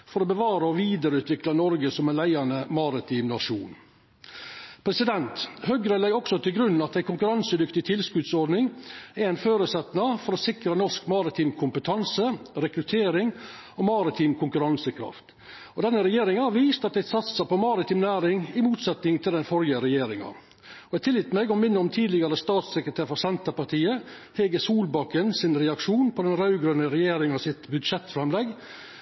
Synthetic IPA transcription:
fɔɾɔːbəʋɑːɾəɔʋiːd̪əɾəʉːt̪ʰʋɪklɑnɔɾɡəsɔmɛnlæɪɑnəmɑɾɪt̪ʰiːmnɑʂṵːn | pʰɾɛsɪd̪ɛnt̪hœɡɾəlæɪɔksɔt̪ʰɪlɡɾʉn̩ːɑt̪d̪æɪkʰʊŋkʉɾɑnsəd̪ʏkt̪ɪt̪ʰɪlskʉd̪sɔɾɖnɪŋæɾæɪnføːɾʉsɛt̪nɑfɔɾɔsɪkɾənɔʂkmɑɾɪt̪ʰiːmkʰʊmpət̪ʰɑnsəɾɛkɾʉt̪ʰeːɾɪŋ | ɔmɑɾɪt̪ʰiːmkʰʊŋkʉɾɑnsəkʰɾɑ̰ft̪ | ɔd̪ɛnːəɾɛjeːɾɪŋɑhɑʋiːst̪ɑt̪̚d̪æɪsɑt̪sɑpɔmɑɾɪt̪ʰiːmnæːɾɪŋɪmuːt̪sɛt̪nɪŋt̪ʰɪld̪ɛnfɔɾjəɾɛjeːɾɪŋɑ̰ | ɔɛt̪ʰɪljɪt̪mɛɡɔmɪnːəɔmt̪ʰiːd̪lɪɡɑɾəst̪ɑːt̪sɛkɾət̪ʰæːɾfɔsɛnt̪əpɑʈ̪ʰiːə | hɛɡəsuːlbɑkːənsɪnɾɛɑkʂuːnpʰɔd̪ɛnɾɑʉɡɾœnəɾɛjeːɾɪŋɑsɪt̪bʉd̪ʂɛt̪ːfɾɛmlɛɡ

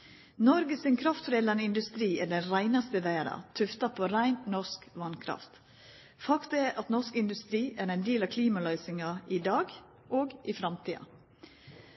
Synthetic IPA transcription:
nɔɾɡəsɪnkʰɾɑft̪fɾeːd̪lɑnəɪnd̪ʉst̪ɾiːæɖɛnɾæɪnɑst̪əʋæɪɾɑ̰t̪ʰʉft̪ɑpʰoːɾæɪnnɔʂkʋɑnkʰɾɑ̰ft̪ | fɑkt̪ɑɛɾʔɑt̪nɔʂkɪnd̪ʉst̪ɾiːʔæːɾæɪnd̪eːlɑkʰliːmɑlœʏsɪŋɑɪd̪ɑːɡ | ʔoːɡɪfɾɑmt̪ʰiːɑ̰

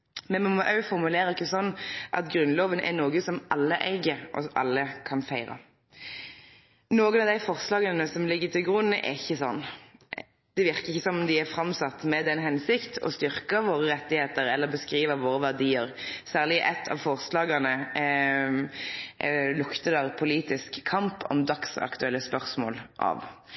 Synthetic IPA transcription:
mɛnmɑmɑʔœʉfɔɾmʉleːɾəɾɪkːəsɔnːʔɑ̰t̪ɡɾʉnloːʋənʔɛ̰noːɡəsɔmʔɑlːəʔæɪɡəʔɔ̰ʔɑ̰lːəkʰɑnfæɪɾɑ̰ | noːɡənɑʋd̪æɪfɔʁslɑːɡɑnəsɔmlɪɡːət̪ɪlɡɾʉnːəʔɛ̰ɾɪçːəsɔnː | d̪̥ɛʋɪʁkəʁɪçːəsɔmɔmd̪ɪæfɾɑmsɑt̪ːmɛd̪ɛnːɦɛnsɪkt̪ʰɔ̰st̪ʏɾkəʋoːɾəɾɛt̪ːɪheːt̪əɾɛlːəɾbəskɾiːʋəʋoːɾəʋæʁd̪iːəɾsæːʁlɪʔɛt̪ʰːɑ̰ʋfɔʁslɑːɡɑnə | lʊkt̪əd̪ɑʁpʰʊliːt̪ɪskʰːɑmpʰɔ̰md̪ɑksɑ̰kt̪ʉɛlːəspœʁsmo̰ːlʔɑ̰ʋ

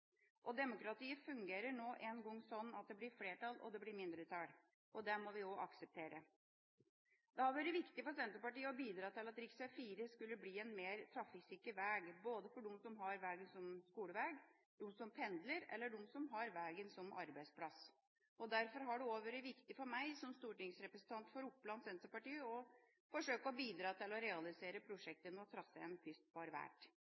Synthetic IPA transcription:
ʔɔd̪ɛmʊkɾɑt̪ʰiːəfʉŋɡeːɾəɳoːʔɛnɡɔŋːsɔnːɑt̪̚d̪ɛblɪɾfleːʈɑlɔ̰d̪ɛblɪɾmɪnd̪ɾət̪ʰɑɽ | ʔɔd̪ɛmɔʋɪɔʔɑksəp̚t̪ʰeːɾə | d̪ɛhɑɾʋæːɾɪʋɪkt̪ɪfɔsɛnt̪ɾəpɑʈiːəɔbiːd̪ɾɑːt̪ɪlɑt̪ɾɪksɛfiːɾəskʉlːəbliːɛnmeːɾt̪ʰɾɑfɪksɪkːəʋæːɡboːd̪əfɔɖʊmsɔmɦɑɾʋæːɡənsɔmskuːləʋæːɡ | d̪ʊmsɔmpʰɛnd̪ləɾɛ̰lːəɖɔmsɔmɦɑɾʋæːɡənsɔmʔɑ̰ɾbæɪspʰlɑs | ɔd̪æɾfɔɾɦɑɖʉoːʋøɾəʋɪkt̪ɪfɔɾmæɪsɔmst̪uːʈɪŋsɾɛpɾɛsnt̪ʰɑnt̪fɔɾʊpːlɑnsɛnt̪əɾpɑʈiːəɔ | fɔʂøːkəɔbiːd̪ɾɑːt̪ʰɪlɔɾɛɑlɪseːɾəpʰɾʊʂɛk̚t̪ənəɔt̪ʰɾɑsːəɛnpʰʏst̪̚bɑɾʋæ̰ːʈ

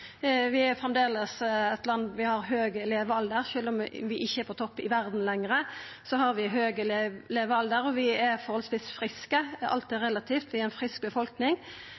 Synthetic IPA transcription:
ʋɪɛfʁɛmd̪eːləsɛt̪lɑnd̪ʋɪhɑɾɦøːɡəleːʋəɑld̪əɾʃøːlɔmʋɪʔɪçːəɛɾpʰɔt̪ʰɔpːɪʋæɾd̪n̩lɛŋɾə | sɔɦɑɾʋɪɦøːɡəlleːʋəɑld̪əɾɔʋɪɛɾfɔɾhɔlsʋɪsfɾɪskəɑ̰lt̪ɪːɾɛlːɑt̪ʰiːft̪ʋɪæɛnfɾɪsk̚bəfɔlknɪŋ

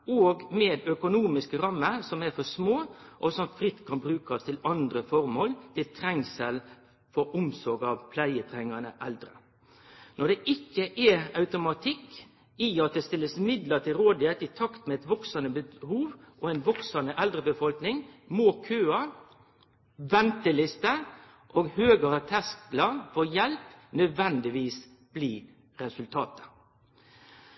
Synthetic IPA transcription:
oːɡmed̪œkʊnuːmɪskəɾɑmːəɾsɔmæɾfɔsmoːʔɔsɔmfɾɪt̪ːkʰɑnbɾʉːkɑst̪ʰɪlɑnd̪ɾəfɔɾmoːlt̪ʰɪlt̪ʰɾɛŋsəl | fɔɾʊmsɔɾɡɑʋpʰlæɪət̪ʰɾɛŋːɑnə̰ʔɛld̪ɾə | nɔɖ̪ɛʔɪkːəʔɛɑʉt̪ʊmɑt̪ʰɪkː | ɪɑt̪̚d̪ɛst̪ɪlːəsmɪd̪lət̪ʰɪlɾoːd̪ɪhet̪ɪt̪ʰɑkt̪mɛɛt̪ʋɔksənəbəhuːʋʔɔɛnʋɔksɑnəʔɛld̪ɾəbəfɔlknɪŋmoːkʰøːɑ | ʋɛnt̪əlɪst̪ə | ʔoːɡhøːɡəɾət̪ʰɛsklɑfɔjɛlpnœd̪ʋɛnd̪ɪʋiːs | b̥liː | ɾɛsʉlt̪ʰɑːt̪ə̥

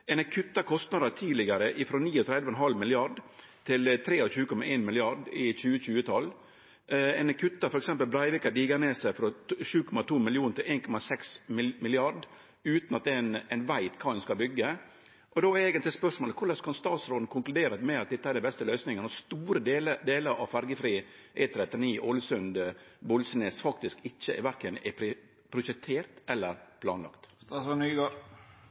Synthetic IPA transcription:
ɛnəkʰʉt̪ːɑkʰɔst̪nɑd̪ət̪ʰiːdlɪɡɑɾəʔɪfɾɔniːɔt̪ʰɾɛd̪ʋəɛnɦɑlmɪlɪɑɖ | t̪ʰɪlt̪ʰɾeːɔçʉːəkɔmɑʔeːnmɪlɪɑɖɪçʉːəçʉːət̪ʰɑl | ɛnəkʰʉt̪ːɑfɔɾɛksɛmpəlbɾæɪʋɪkɑɖ̪iːɡɑneːsæɪfɾɔʃʉːkʰɔmɑt̪ʰuːmɪlɪuːnt̪ʰɪleːnkʰɔmɑsɛksmɪmɪlɪɑɖ | ʉːt̪nɑt̪̚d̪ɛnɛnʋæɪt̪kʰɑːɛnskɑbʏɡːə | ʔɔd̪oːeːɡənt̪lɪspœʂmoːləkʰʊɭskʰɑnst̪ɑːt̪sɾoːd̪n̩kʰʊŋklʉd̪eːɾət̪mɛɑt̪̚d̪ɛt̪ːəæɾɖæɛbɛst̪əlœʏsnɪŋənɔst̪uːɾəd̪eːləd̪eːləɾʔɑ̰ʋfæɾɡəfɾiː | ʔɛt̪ʰːɾɛt̪ːɪniːʔoːlɪsʉnd̪bɔlsneːsfɑk̚t̪ɪskɪçːəɛ̰ɾʋæɾkənɛpʰɾɪ | pʰɾʊʃɛkt̪ʰeːɾt̪ɛlːəɾpʰlɑ̰ːnlɑ̰kt̪st̪ɑːsɔnyːɡɑ

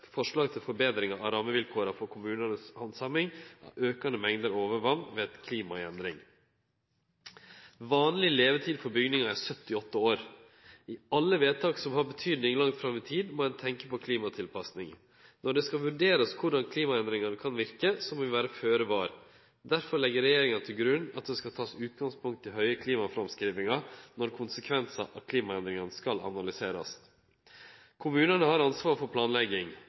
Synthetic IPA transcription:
fɔʂɭɑːɡt̪ʰɪlfɔɾbeːd̪ɾɪŋɑɑɾɑːməʋɪlkʰoːɾɑfɔɾkʰʊmʉːnənəshɑnsɑmɪŋʔɑ̰ʔøːkɑnd̪əmɛŋd̪əɾoːʋəɾʋɑnːʋeːd̪̥kʰliːmɑɛ̰nd̪ɾɪŋ | ʋɑːnlɪleːʋət̪ʰiːd̪fɔɾbʏɡnɪŋɑæsœt̪ːɪɔt̪ːəoːɾ | ɪɑlːəʋeːt̪ʰɑːksɔmhɑɾbət̪ʰyːd̪nɪŋlɑŋt̪fɾɑmʋɪt̪ʰiːd̪moːɛnt̪ʰɛŋkəpɔkʰliːmɑt̪ʰɪlpʰɑsnɪŋ | nɔɖɛskɑʋʉɖeːɾəskʰʊɖɑnkʰliːmɑɛnd̪ɾɪŋɑnəkʰɑnʋɪɾkəsɔmoːʋɪʋæːɾəføːɾəbɑːɾ | d̪æɾfɔɾɭlɛɡəɾɛjeːɾɪŋɑnt̪ʰɪlɡɾʉnːɑt̪̚d̪ɛskɑt̪ʰɑːsʉːt̪̚ɡɑŋspʊŋkt̪ʰːɪlɦœʏəkʰliːmɑfɾɑmskɾiːʋɪŋɑnɔɾkʰʊnsəkʰʋɛnsɑ̰ʔɑt̚kʰliːmɑɛnd̪ɾɪŋənskɑlɑ̰nɑlɪseːɾɑ̰s | kʰʊmʉːnənəhɑɾɑnsʋɑːɾfɔɾpʰlɑːnlɛɡɪŋ

